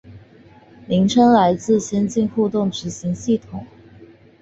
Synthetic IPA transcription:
li˧˥ŋʈ͡ʂʰə˥ŋla˧˥ɪt͡sɹ̩˥˩ɕjɛ˥nt͡ɕi˥˧nxu˥˧t̪ʊ˥˩ŋʈ͡ʂɻ̩˧˥ɕi˧˥ŋɕi˥˩t̪ʰʊ˨˩˦ŋ

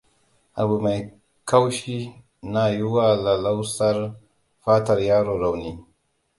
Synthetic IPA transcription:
a˨bu˨ma˨j | ka˦wʃi˦ | na˨ju˦wa˦la˨la˦wsa˦ɾ | fa˦ta˨ɾjaː˦ɾo˨ɾa˨wni˦

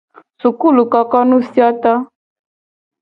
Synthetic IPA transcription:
su˨ku˦˨lu˨ka˨kɔ˦nu˦si˦a˦ta˦

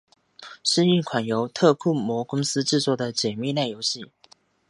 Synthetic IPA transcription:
ʂ̩˥˧i˥˩ŋkʰwa˨˩njo˧˥ʊt̪ʰɤ˥˧kʰu˥˩mwɔ˧˥kʊ˥ŋsɹ̩˥ʈ͡ʂɻ̩˥˧t͡swɔ˥˩d̪ə˩t͡ɕjɛ˨˩mi˥˧na˥˩ɪjo˧˥ʊɕi˥˨

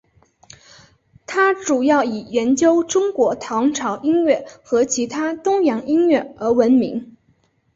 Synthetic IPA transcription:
t̪ʰa˥ʈ͡ʂu˨˩jɑ˥˩ʊi˨˩ɥɛ˧˥nt͡ɕjo˥ʊʈ͡ʂʊ˥ŋkwɔ˧˥t̪ʰɑ˧˥ŋʈ͡ʂʰɑ˧˥ʊʔi˥ŋɥɛ˥˩xɤ˧˥t͡ɕʰi˧˥t̪ʰa˥t̪ʊ˥ŋjɑ˧˥ŋi˥ŋɥɛ˥˩ə˞˧˥wə˧˥nmi˧˥ŋ

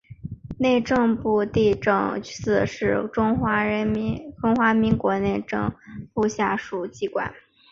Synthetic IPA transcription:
ne˥˧ɪʈ͡ʂɤ˥˧ŋpu˥˧t̪i˥˩ʈ͡ʂɤ̰˥˩ŋ˥sɹ̩˥˩ʂɻ̩˥˩ʈ͡ʂʊ˥ŋxwa˧˥ɻə˧˥nmi˧˥ʈ͡ʂʊ˥ŋxwa˧˥mi˧˥ŋkwɔ˧˥ne˥˧ɪʈ͡ʂɤ̰˥˧ŋpu˥˧ɕja˥˩ʂu˨˩t͡ɕi˧˥kwa̰˨˩˦n

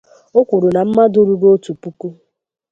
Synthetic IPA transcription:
ʊ˦kʷʊ˨ɾʊ˨na˨m̩˦ma˦dʊ˦ɾu˨bo˦tu˨pu˦ku˦

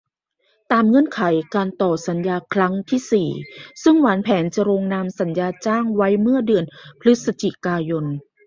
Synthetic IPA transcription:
t̪aː˧mŋɤ˧˥ənkʰa˩˦jkaː˧nt̪ɔː˨˩sa˩˦njaː˧kʰɾa˦˥ŋt̪ʰiː˥˩siː˨˩sɯ˥˩ŋwaː˩˦npʰɛː˩˦nt͡ɕa˨˩ɾoː˧ŋna˧msa˩˦njaː˧t͡ɕaː˥˩ŋwa˦˥jmɯ˥˩ɐdɯ˧ənpʰɾɯ˦˥t̪̚sa˧t͡ɕi˨˩kaː˧jo˧n

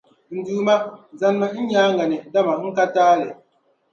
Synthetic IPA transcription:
n̩˨duː˨ma˦za˦nma˦i˦ɲaː˦ŋɡa˨nɛ˨˦da˦ma˨ŋ̩˦ka˦taː˦lɛ˨

